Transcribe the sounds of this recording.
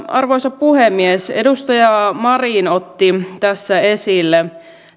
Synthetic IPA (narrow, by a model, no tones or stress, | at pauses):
ɑrʋojsɑppuhemːiesedust̪ɑjɑmɑriːnot̪ːit̪æsːæesilːe